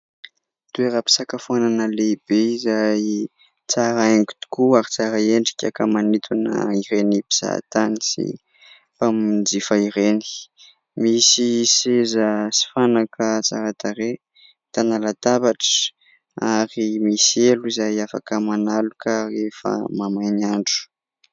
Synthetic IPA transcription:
t̪ueɾəpi̥sakafuananəleib̥eizaji | t͡saɾaeŋɡu̥t̪u̥kuaɾit͡saɾaeɳɖ͡ʐi̥kʲakamanit̪ʰuna̰iɾenibiz̥a̰t̪anisḭ | pamid͡zifaiɾeni̥ | misisezəsi̥fanakʰət͡saɾat̪aɾe | t̪analat̪abaʈ͡ʂə̥ | aɾimisieluizajafa̰kəmanalukarefə̰mamajnaɳɖ͡ʐu̥

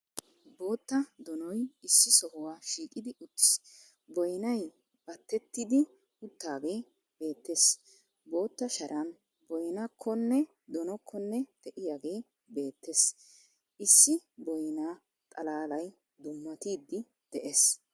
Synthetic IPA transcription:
bo̞ːt̪ːɐd̪ɔnɔjɪsːɪsɔhʊwaːʃiːkʼɪd̪ɪʊt̪ːɪ̥s | bɔjnɐj | b̥ɐt̪ːɛt̪ːɪd̪ɪ | ʊt̪ːaːɡeː | b̥e̞ːt̪ːes | bo̞ːt̪ːɐʃɐɾʔɐn | bɔjnɐkʰːɔnːɛ | d̪ɔnɔkʰːɔnːɛt̪ɛʔɪjaɡe̞ː | be̞ːt̪ːes | ʔɪsːɪbɔjnaː | t̪ʼɐlaːlɐj | d̪ʊmːɐt̪iːd̪ːɪ | d̪̥ɛʔes

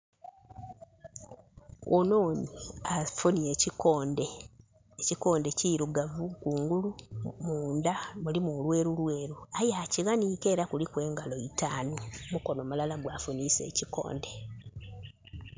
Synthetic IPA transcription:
ono̞ːniafunie̞cikoːnde | eciko̞ːnde̞ciɾuɡavukuːŋɡulumuːndamulimulwe̞ːɾulwe̞ːɾuajaciɣaniːke̞ːɾakulikwe̞ːŋɡalo̞itaːnumuko̞no̞ːmulalaɡwafuniːse̞̰ːciko̞̰ːnde̞

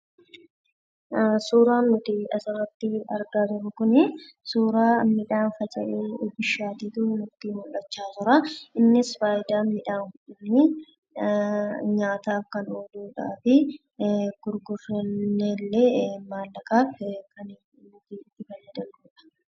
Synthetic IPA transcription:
suːɾaːnːʊt̪ɪᶑɐsɐrɐt̪ːɪɐɾɡaːd͡ʒɪɾʊkʊnɪ | suːɾaːmɪᶑaːnfɐt͡ʃʼɐ̰ʔeːbɪʃːaːt̪iːt̪ʊnʊt̪ːiːmʊlːɐt͡ʃːaːt̪ʊɾɐʔɪnːɪsfaːjɪd̪aːmɪᶑaːŋhʊᶑɪni | ɲaːt̪aːfkɐnod̪uːᶑa̰ːfɪ | ɡ̥ʊɾɡʊrɐnːeːlːeːmaːlːɐkaːfkɐnɪ | nʊt̪ɪt̪ːɪfɐlːɛd̪ɐnd̪uːᶑɐ̥

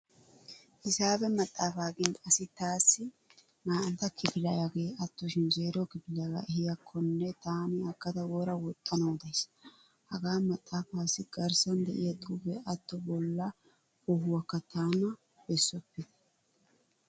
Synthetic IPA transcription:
hɪsaːbɛmɐt̪ʼːaːfaːɡɪnd̪ɐsɪt̪aːsːɪ | maːʔɐnt̪ɐkɪfɪlɐjɐɡeːɐt̪ːɔʃɪnzeːɾɔkɪpɪlɐɡɐ̰ʔɛhɪjɐkʰːɔnːɛt̪aːnɪɐkːɐt̪ɐwoːɾɐwɔt̪ʼːɐnoːd̪ɐjs | hɐɡaːmɐt̪ʼːaːfaːsɪɡɐɾsɐnd̪ɛ̰ʔɪjɐt̪ʼuːbɛʔɐt̪ːɔbɔlːɐ | ɔɦʊwɐkːɐt̪aːnɐ | bɛsːɔpːɪ

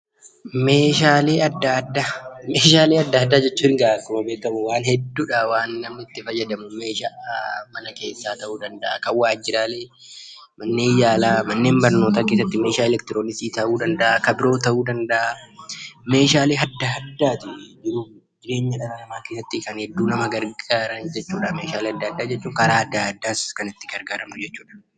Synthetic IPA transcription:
meːʃaːle̞ːɐd̪ːɐd̪ːameːʃaːleːɐd̪ːɐhɐd̪ːaːd͡ʒɛt͡ʃːuːɪŋɡakʊmɐbeːkkɐmʊwaːnhɛd̪ːuːᶑɐwaːnːɐmɪt̪ːɪfɐjːɐd̪ɐmʊme̞ːʃaːmɐnɐke̞ːsːaːt̪ɐʔuːd̪ɐnd̪ɐʔakɐwːaːd͡ʒɪɾaːleː | mɐnːe̞ːjaːlaːmɐnːe̞ːmbɐɾnoːt̪aːkeːs̬ːɐt̪ːɪmeːʃaːɛlɛkt̪ɪɾoːnɪsiːt̪ɐʔuːd̪ɐnd̪ɐʔakɐbɪɾo̞ːt̪ɐʔuːd̪ɐnd̪ɐʔa | me̞ːʃaːleːɦɐd̪ːɐɦɐd̪ːaːt̪ɪd͡ʒɪɾuː | d͡ʒɪɾe̞ːɲːɐᶑɐɾɐnɐmaːkesːɐt̪ːɪkɐnhɛd̪ːuːnɐmɐɡɐɾɡaːɾɐnd͡ʒɛt͡ʃːuːᶑɐme̞ːʃaːleːɐd̪ːaɐd̪ːaːd͡ʒɛt͡ʃːuːŋkɐɾaːɐd̪ːaɐd̪ːaːskɐnɪt̪ːɪɡɐɾɡaːɾɐmnʊd͡ʒɛt͡ʃːuːᶑɐ̥

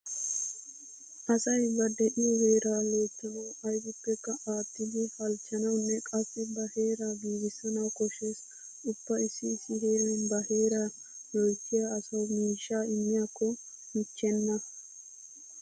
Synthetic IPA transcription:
ʔɐsɐjbɐd̪ɛʔɪjɔweːɾaːloːt̪ːɐnɐwɐjɡʊpːɛkːɐaːt̪ːɪd̪ɪfɐlt͡ʃːɐnɐwnːɛkʼɐfːɪbɐhe̞ːɾɐbiːɡɪsɐnɐwkɔʃeːs | ʊpːɐɪsːɪsːɪheːɾɐbɐheːɾɐ | jɔjkʰːɪjaːsɐwmiːʃːaːɪmːɪjaːkʰːɔ | mɪt͡ʃːɛnːɐ

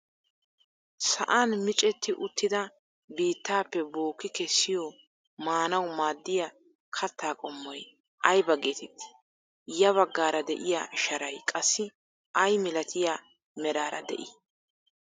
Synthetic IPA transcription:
sɐʔaːnmɪt͡ʃʼɛt̪ːɪʔʊt̪ːɪd̪ɐ | biːt̪ːaːpːɛboːkːɪkɛsːɪjɔ | maːnɐwmaːd̪ːɪja | kʰɐt̪ʰːaːkʼɔmːɔj | ʔɐjbɐɡeːt̪ɪt̪ːɪ̥ | jɐβɐɡːaːɾɐd̪ɛʔɪja̰ːʃɐɾɐjkʼɐsːɪ | ʔɐjmɪlɐt̪ʰɪja | mɛɾaːɾɐ̰d̪ɛ̰ʔɪ

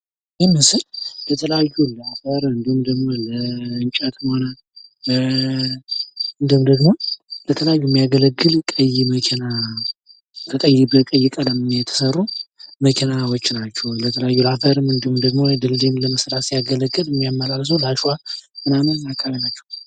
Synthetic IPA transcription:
jɛmɨsɨllət̪ʰələjajːulhafəɾɨnd̪ɨhmd̪əɡmo̞ləɨnt͡ʃʼat̪ɨnhona | ɨnd̪ɨmd̪əɡmo̞lət̪ʰələjajːujɛmːijaɡələɡːɨlkʼəjɪməkʰena | kʰəkʼəjɪbəkʼəjːɪkʼələmjɛt̪ʰə̥sərːuməkʰenawot͡ʃːnat͡ʃːɛwlət̪ʰələjajːulafəɾɨmɨnd̪ɨhumd̪əɡmod̪ɨldimləməsɾat̪sijaɡələɡːɨlmːijamːəlals̬owlaʃuwamɨnamɨnakʰʼːaβinat͡ʃːɛ̥w

